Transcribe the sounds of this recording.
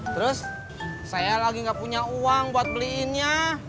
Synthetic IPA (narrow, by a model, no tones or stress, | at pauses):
t̪əɾʊs | sajalaɡiŋɡaʔpuɲauaŋbuat̪̚pəliɪnɲa